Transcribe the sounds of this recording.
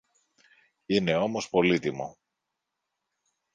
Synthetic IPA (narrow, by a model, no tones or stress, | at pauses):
ine̞o̞mo̞spo̞lit̪imo̞̰